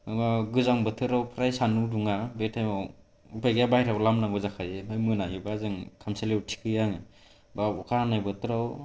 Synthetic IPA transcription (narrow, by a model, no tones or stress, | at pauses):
ɯbaɡɯzaŋbɯtʰɯɾawpʰɾajsanuduŋabetʰajmaw | upʰajɡjabajɾawlamnaŋɡɯzakʰazeɦɯjmɯnajibazɯŋkʰamsalewtʰi̥kʰɯjaŋ | baukʰanajbɯtʰɯɾaw